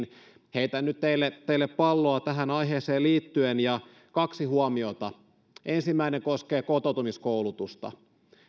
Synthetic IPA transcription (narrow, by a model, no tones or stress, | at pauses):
n | heit̪ænːyt̪t̪eilːet̪eilːeppɑlːoɑt̪æɦænɑjɦeːseːliːt̪ːyenjɑ | kɑksihuɑmio̞t̪ɑ | ensimːæineŋkoskeːkot̪ot̪umiskowlut̪ust̪ɑ̰